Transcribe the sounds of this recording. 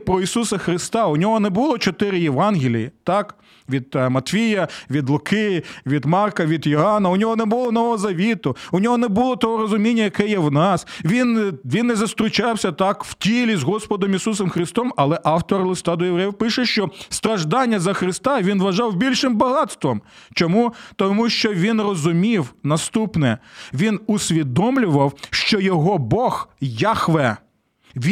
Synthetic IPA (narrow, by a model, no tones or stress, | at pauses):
pɾɔisusɐxɾɪst̪ɑʊnʲɔɦɔnɛbʊlˠɔt͡ʃɔt̪ɪɾɪjeʋɑnɦʲɪlʲijit̪ɑk | ʋʲid̪̚mɐt̪fʲijɐʋʲid̪lˠʊkɪjʋʲid̪mɑrkɐʋʲid̪jɔɦɑnɐʊnʲɔɦɔnɛbʊlˠɔnɔʋɔɦɔzɐʋʲit̪ʊʊnʲɔɦɔnɛbʊlˠɔt̪ɔɦɔɾɔzʊmʲinʲːɐjɐkɛjɛwnɑsʋʲinʋʲinːɛzɐst̪ɾʊt͡ʃɑwsʲɐt̪ɑkw̥tʲilʲizɦɔspɔd̪ɔmisusɔmxɾɪst̪ɔmɐlˠɛʔɑwt̪ɔrlˠɪst̪ɑd̪ɔjeʋɾɛjɪpɪʃɛʃt͡ʃɔst̪ɾɐʒd̪ɑnʲːɐzɐxɾɪst̪ɑʋʲinʋɐʒɑwbʲilʲʃɪmbɐɦɑt̪st̪ʋɔm | t͡ʃɔmut̪ɔmuʃt͡ʃɔʋʲinrɔzʊmʲiwnɐst̪upnɛʋʲinʊsʲʋʲid̪ɔmlʲʊʋɐwʃt͡ʃɔjɔɦɔbɔxjaxʋɛ | ʋʲ